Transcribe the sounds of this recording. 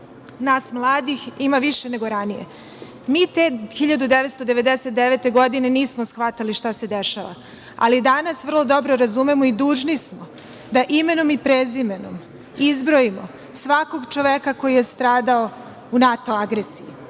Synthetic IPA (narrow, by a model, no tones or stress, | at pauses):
naːsmlˠaːd̪iximaʋiʃe̞ne̞ɡo̞ɾanijḛ | miːt̪exiʎad̪ud̪eʋest̪od̪e̞ʋe̞d̪eset̪d̪eʋet̪e̞ɡo̞d̪ine̞niːsmosxʋat̪aliʃt̪ase̞d̪eʃa̰ʋa̰ | a̰lid̪anasʋr̩lˠo̞d̪o̞bɾo̞ɾazumemoid̪uːʒnismo | d̪aʔime̞no̞mipɾezimeno̰m | izbɾoimo̞ | sʋako̞ɡt͡ʃoʋekako̞jije̞st̪ɾaːd̪ao | unat̪o̞aɡɾesiji